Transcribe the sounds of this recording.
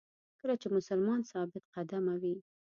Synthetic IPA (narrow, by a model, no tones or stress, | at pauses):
kəlat͡ʃemʊsalmɑnsɑbɪt̪̚qad̪amawi